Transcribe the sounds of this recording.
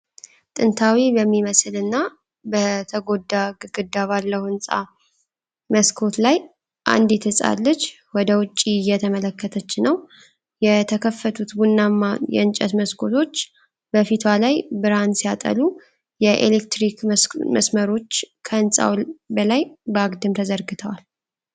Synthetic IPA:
t̪ʼɨnt̪ʰawibəmːiməsɨlɨnːa | bət̪ʰəɡo̞d̪ːaɡɨɡ̥ɨd̪ːaβalːəhuɨnsʼa̰ | məskʰo̞t̪laj | ʔa̰nd̪ɪt̪ʰɨsʼa̰lːət͡ʃː | wɔd̪əwʊt͡ʃʼːijːɛt̪ʰəmələkːət̪ʰət͡ʃːɪnːəw | jɛt̪ʰəkʰəfːət̪ʰut̪bunːamajɛ̰ɨnt͡ʃʼɛt̪məskʰo̞t̪ʰo̞t͡ʃː | bəfit̪ʰwalajbɨɾansijat̪ʼə̰lu | jɛʔḛlekt̪ɾikməsməɾo̞t͡ʃːkʰəɨnsʼa̰wbəlajbəaɡd̪ɨmt̪ʰəzəɾɡɨt̪ʰəwal

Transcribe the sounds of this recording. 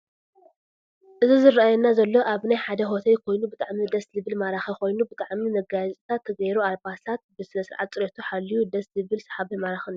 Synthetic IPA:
ʔɨzizɨɾaajɛnːazɐlːo̞ʔaβnajħad̪ɐɦo̞t̪ʰɐjkʰo̞jnubɨt̪ʼaʕmid̪ɐszɨβɨlmaɾaxiko̞jnubɨt̪ʼaʕmimɐɡazʼt̪ʰat̪ʰːɐɡɐjɾualbast̪ʰat̪̚bɨsɨlɐsɨɾʕa̰t̪̚t͡sʼɨɾɐt̪ʰuħalːijud̪ɐszɨβɨlsɐ̥ħaβɐmaɾaxɨn

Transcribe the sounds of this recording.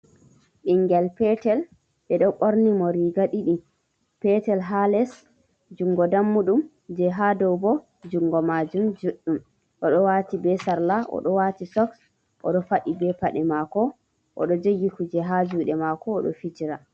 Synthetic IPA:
ʔiŋːɡɛlpɛtɛl | ɓɛɗɔkʼoɾnimɔɾiɡaɗiɗim | pɛtɛlɦalɛs | d͡ʒuŋɡɔdamːuɗum | d͡ʒɛɦadɔwbɔ | d͡ʒuŋɡɔmad͡ʒumd͡ʒuɗːum | ʔɔɗɔwatibɛsaɾlaʔɔ̰ɗɔwatisɔks | ʔɔ̰ɗɔfaɗibɛpaɗɛmakɔ | ʔɔ̰ɗɔd͡ʒojːikud͡ʒɛɦad͡ʒuɗɛmakɔːɗɔ̰fit͡ʃiɾa

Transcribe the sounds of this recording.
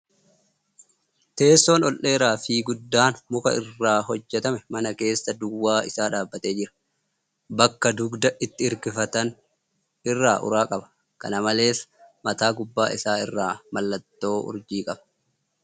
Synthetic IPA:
t̪e̞ːsːo̞ːnɔlʔe̞ːɾaːfiːɡʊd̪ːaːnmʊkɐ̰ɪrːaːɦɔd͡ʒːɛt̪ɐmɛmɐnɐke̞ːsːɐd̪ʊwːaːɪsaːᶑaːbːɐt̪e̞ːd͡ʒɪɾɐ̥ | bɐkːɐd̪ʊɡd̪ɐʔɪt̪ːɪɪɾkɪfɐt̪ɐn | ɪrːaːʔʊ̰ɾaːkʼɐbɐ̥ | kɐ̰nɐmɐle̞ːsmɐt̪aːɡʊbːaːʔɪsaːɪrːaːmɐlːɐt̪ːo̞ːʊ̰ɾd͡ʒiːkʼɐb̥ɐ̥

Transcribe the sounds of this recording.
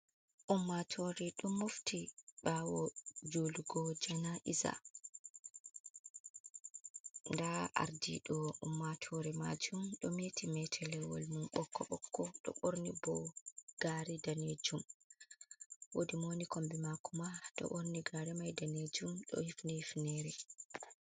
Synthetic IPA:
ʔumːatʰɔɾɛɗɔmːoftʰiɓawɔd͡ʒoluɡɔd͡ʒanaʔiza̰ | ndaa̰ɾdiɗɔumːatʰɔɾɛma̰d͡ʒumɗɔmetʰimɛtʰɛlɛwɔ̰lmumɓɔkʰːɔɓɔkʰːɔɗɔ̰ɓoɾnibɔɡ̥aɾidaned͡ʒum | wodimonikombimakumaɗɔ̰ɓoɾniɡaɾɛmajdaned͡ʒumɗɔ̰hifnihifnɛɾɛ

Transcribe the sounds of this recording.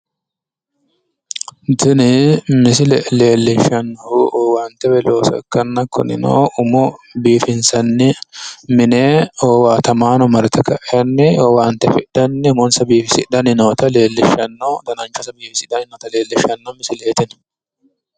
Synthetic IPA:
d̪ɪnɪmɪs̬ɪlɛle̞ːlːɪʃɐnːɐhʊʔoːwaːnt̪ːɛwɛloːsɔ̰ɛ̰kːɐnːɐkːɔnɪ̰no̰ʊmɔbiːfɪnsɐnːɪmɪneːoːwaːt̪ɐmaːnɔmɐɾt̪ɛkɐʔɛjɐnːɪoːwaːnt̪ːɛfɪʔd̥ɐnːɪʊmɔnsɐbiːfɪsɪ̰dɐnɪnoːt̪ɐle̞ːlːɪʃɐnːɐwd̪ɐnɐnt͡ʃːɐsɐbiːfɪsɪdɐnɪnoːt̪ɐle̞ːlːɪʃɐnːɐmɪsɪleːt̪ɪn

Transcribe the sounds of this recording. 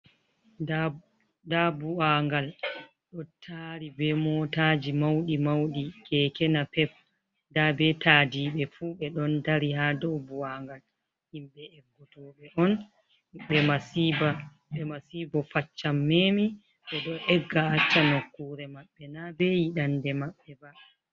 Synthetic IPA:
a | dabuaŋɡal | ɗɔtʰaɾibɛmɔtaːd͡ʒimawɗimawɗiɡ̥ɛkɛnapɛf | dabɛtʰaːdiɓɛfuɓɛɗɔndaɾihadɔbuaŋɡal | himɓɛɛɡːɔtɔɓɛʔɔn | ɓɛmasiba | ɓɛmasibɔfat͡ʃːamːeːmi | ɓɛɗɔʔɛɡːaat͡ʃːanokːuːɾɛmaɓːɛnabɛjiɗandɛmaɓːɛba

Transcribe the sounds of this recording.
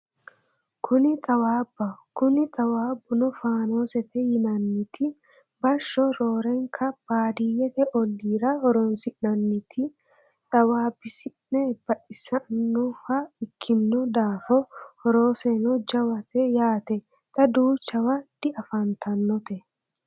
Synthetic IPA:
kʰʊnɪt̪ʼɐwaːbːɐkʊnɪt̪ʼɐwaːbːʊnɔfaːno̞ːsɛt̪ɛjɪnɐnːɪt̪ɪ | bɐʃːɔɾoːɾɛŋkʰɐb̥aːd̪ijɛt̪ɛʔɔlːiːɾɐɔɾɔnsɪʔnɐnːɪt̪ʰɪ | t̪ʼɐwaːbɪsɪnnɛbɐʔɪsɐnːɔhɐɪkʰːɪnːɔd̪aːfɔhɔɾoːsenɔd͡ʒɐwɐt̪ɛjaːt̪ɛ | t̪ɐd̪uːt͡ʃːɐwɐd̪̥ɪʔɐfɐnt̪ʰɐnːɔt̪ɛ

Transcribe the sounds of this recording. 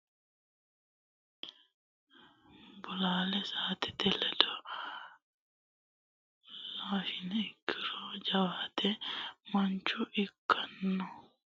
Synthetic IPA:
bʊlaːlɛsaːt̪ɛd̪ɛlɛd̪ɔ | laːʃɪnɛɪkʰːɪɾɔd͡ʒɐwaːt̪ɛmɐnt͡ʃːʊʔɪkʰːɐnːɔ

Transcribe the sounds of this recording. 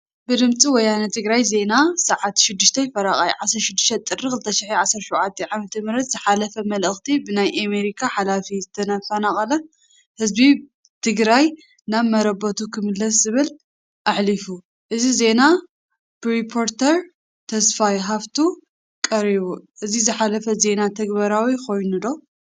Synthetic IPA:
bɨd̪ɨmt͡sʼiwɔjanɐt̪ʰɨɡɾajze̞nasɐʕat̪ʃɪd̪ːɨʃt̪ʰɐfɐɾaχʼa̰jʕasɐɾʃɪd̪ːɨʃt̪ʰɐt̪ʼɨrːikʰɨlt̪ʰɐʃiħiʕasːɐɾʃuʕat̪ʰːɐʕamɐt̪ʰɐmɨɾɐt̪zɨħalɐfɐmɐlʔɨxt̪ʰibɨnajʔame̞ɾikʰaħalafizɨt̪ʰɐnɐfɐnaχʼɐlɐ | hɨzbi | t̪ʰɨɡɾaj | naβmɐɾɐbot̪ʰukʰɨmɨlːɐszɨβɨl | ʔaħlifu | ʔɨzize̞na | b̥ɨɾipʰo̞ɾt̪ʰɐɾ | t̪ʰɐsfajɦaβt̪ʰu | kʼɐɾiβuʔɨzizɨħalɐfɐze̞nat̪ʰɐɡbɐɾawikʰo̞jnud̪o̞

